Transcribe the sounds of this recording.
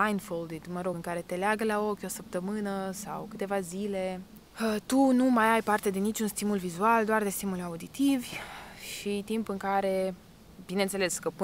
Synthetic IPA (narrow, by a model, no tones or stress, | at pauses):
ajnfold̪id̪məɾo̞ɨŋkaɾe̞t̪e̞leaɡəlao̞kʲo̞səp̚t̪əmɨnəsa̰wkɨt̪e̞vazile̞ | ət̪unumajajpart̪e̞d̪e̞nit͡ʃʲunst̪imulvizuald̪oard̪e̞st̪imulaud̪it̪ivʲʃit̪impɨŋkaɾe̞ | binent̪sele̞skəpɨ